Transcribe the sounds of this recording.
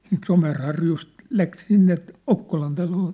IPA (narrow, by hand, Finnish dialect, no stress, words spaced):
siːnt somerhɑrjust læk sinːe okːolɑn tɑloː